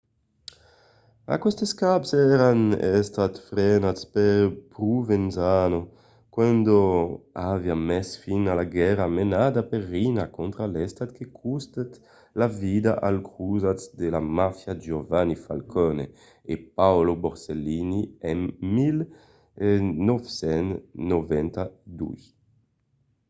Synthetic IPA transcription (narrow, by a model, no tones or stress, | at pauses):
a̰kwɛst̪eskapsɛɾanɛst̪at̪fɾɛnaspeɾpɾuvenzano | kwand̪oaviamɛsfinalaɡɛɾamenad̪apeɾːinakont̪ɾalɛst̪at̪kekʰust̪et̪ | lavid̪aʔalkʰɾuzat͡sd̪elamafjad͡ʒovanifalkɔne | epawloboɾseliniɛnmil | nɔvsɛnnovɛnt̪ad̪ṵj